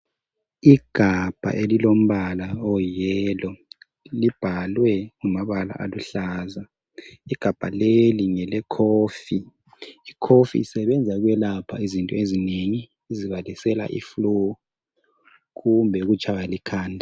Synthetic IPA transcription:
iɡ̥ʱab̥ʱa̰ʔelilom̩βalaɔjɛːlɔ | lib̥ʱalwɛŋumaβala̰ʔa̰luɬaːza | iɡ̥ʱab̥ʱaleliŋɛlɛkʰoːfiː | kʰofḭːsɛβɛnd͡zʱaɣwɛlapʰaizintʼɔezineŋiː | ziβalisɛla̰ʔḭflo | ɣumbʱɛɣut͡ʃʰʼajalikʰaːndʱa

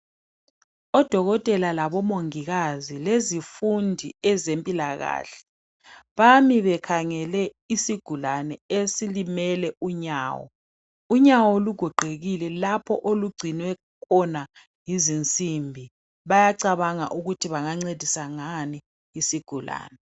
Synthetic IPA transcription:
ɔd̥ʱɔɣɔtʼɛlalaβɔmoŋiɣazilezifundʱiɛzempʼilaɣa̰ːɬɛ̥ | βamiβɛkʰaŋɛlɛ | isiɡ̥ʱulanɛesilimɛlɛuɲaːwɔ̰ | uɲawɔluɡ̥ʱɔɡ͡ǃʱeɣilɛlapʰɔʔoluɡ͡ǀʱinwɛ | kʰɔna | jizint͡sʼimbʱi | βajaǀaβaŋa̰ʔuɣutʰiβaŋaŋ͡ǀed̥ʱisaŋani | isiɡ̥ʱula̰ːnɛ

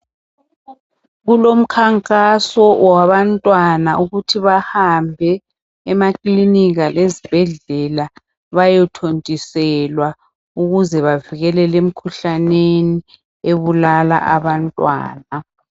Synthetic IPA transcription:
ɣulom̩kʰaŋkʼasɔwaβantʼwanaʔuɣutʰiβahambʱɛː | makʼliniɣalezib̥ʱɛɮɛla | βajɛtʰontʼisɛlwa | uɣuzɛβaviɣɛlɛlem̩kʰuɬaneni | eβulala̰ʔaβantʼwa̰ːna

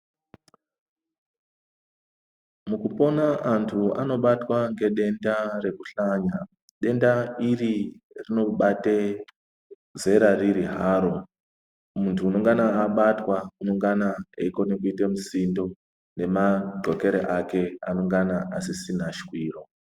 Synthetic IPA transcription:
mukupo̞naʔantʰua̰no̞ɓatwaŋɡe̞ɗe̞ndare̞kuɬaɲa | ɗe̞ndairirino̞ɓate | ze̞ɾariɾiɦaːɾo̞ | muntʰuːnoŋɡanaːɓatwakunoŋɡanaeiko̞nekuitemusindo̞ | ne̞maɡ͡ǃʱo̞ke̞ɾeʔake̞a̰no̞ŋɡanaʔasisin̤aʃi̥kwiːro̞

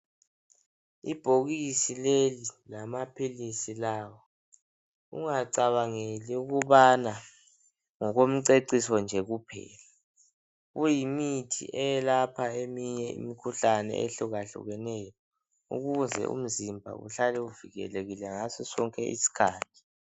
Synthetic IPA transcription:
ib̥ʱoɣisilelilamapʰilisilaːwɔ | ṵŋaǀaβaŋeliuɣuβana | ŋɔɣom̩ǀeǀisɔnd͡ʒʱɛɣupʰɛ̰ːla | ɣujimitʰḭʔɛjɛlapʰaemiɲɛḭmikʰuɬanɛ̰ḛɬuɣaɬṵɣɛnɛjɔ | ṵɣuzʱɛ̰ʔṵm̩zimbʱa̰ɣṵɬalɛuviɣɛ̰leɣilɛŋasɔsɔŋkʼɛ̰ʔḭsi̥kʰaːtʰʼi̥

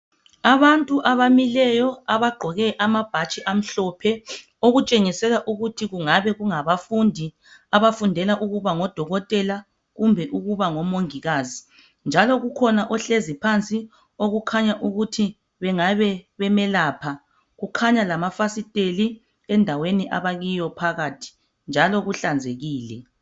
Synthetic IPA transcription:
aβantʼuʔaβamilɛjɔaβaɡ͡ǃʱɔɣɛʔamab̥ʱat͡ʃʼiʔam̩ɬɔpʰɛ | oɣut͡ʃʼeŋisɛɣaʔuɣutʰiɣuŋaβɛɣuŋaβafundʱi | aβafundʱɛlaʔuɣuβaŋɔd̥ʱɔɣɔtʼɛla | ɣumbʱɛʔuɣuβaŋɔmoŋiɣazi | nd͡ʒʱalɔɣukʰɔnaʔɔɬezipʰant͡sʼi | oɣukʰaɲaʔuɣutʰi | βɛŋaβɛβɛmɛlaːpʰa | ɣukʰaɲalamafasitʼeli | ɛndʱaweniʔa̰βaɣijɔpʰaɣaːtʰi̥ | nd͡ʒʱalɔɣuɬand͡zʱeɣiːlɛ

